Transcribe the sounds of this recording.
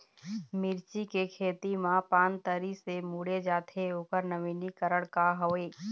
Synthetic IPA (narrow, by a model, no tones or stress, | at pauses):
mɪɾt͡ʃikekʰeːt̪imãpaːnt̪əɾisemuːɽed͡ʒaːt̪ʰeoːkəɾnəʋiːnikəɾəɽkaɦoːeː